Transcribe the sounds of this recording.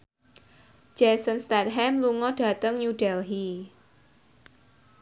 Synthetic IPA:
d͡ʒ̥ɛsənst̪ɛt̪̚ɦɛmluŋɔɖ̥ä̤t̪əŋɲuɖɛlɦi

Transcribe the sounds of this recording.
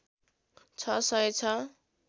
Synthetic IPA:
t͡sʰʌsʌet͡sʰʌ

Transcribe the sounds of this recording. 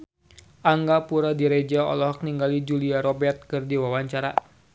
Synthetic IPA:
ʔaŋɡapuɾadiɾɛd͡ʒaɔ̰lɔɦɔk̚niŋɡalid͡ʒuliaɾɔbɛrt̪̚kɨrdiwawaɲt͡ʃaɾa

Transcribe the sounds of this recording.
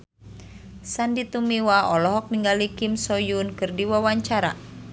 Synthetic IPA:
sandit̪umiwaɔlɔɦɔk̚niŋɡalikimsɔjunkɨrdiwawaɲt͡ʃaɾa̰

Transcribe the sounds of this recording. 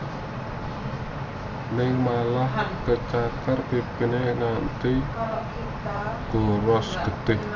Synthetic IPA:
nɪŋmalahkət͡ʃakarpipineŋant̪i | ɡ̥oɾɔsɡ̥ə̤t̪ɪh

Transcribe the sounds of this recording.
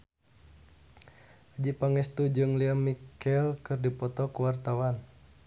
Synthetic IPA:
ad͡ʒipaŋɛst̪ud͡ʒɨŋliamikɛlkɨrdipɔt̪ɔkuwart̪awan

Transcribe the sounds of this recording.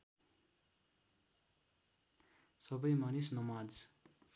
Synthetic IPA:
sʌbʌjmanisnʌmad͡z

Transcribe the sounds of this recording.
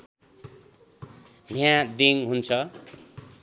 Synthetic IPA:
njãd̪iŋɦunt͡sʰʌ

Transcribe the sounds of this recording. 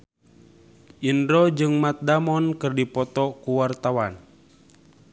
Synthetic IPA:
ʔindɾɔd͡ʒɨŋmat̪̚damɔnkɨrdipɔt̪ɔkuwart̪awan

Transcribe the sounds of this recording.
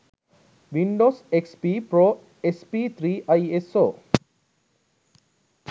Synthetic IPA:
ʋiɳɖosekspipɾo | espit̪ʰɾiajeso

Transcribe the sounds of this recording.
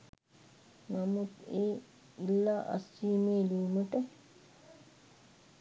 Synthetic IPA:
nɐmut̪eː | ilːaːʔɐ̰sːiːmeːliːməʈə

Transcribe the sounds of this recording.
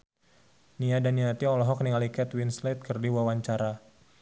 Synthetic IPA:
niadaniat̪iɔlɔɦɔk̚niŋalikɛt̪winslet̪̚kərdiwawaɲt͡ʃaɾa

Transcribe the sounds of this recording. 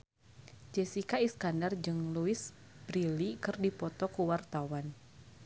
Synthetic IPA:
d͡ʒɛsikaiskandard͡ʒɨŋluis | bɾilikɨrdipɔt̪ɔkuwart̪awan

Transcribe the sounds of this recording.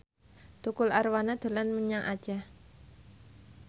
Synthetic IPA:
t̪ukʊlarwanad̪̥o̤lanməɲaŋʔa̰d̥d͡ʒ̥a

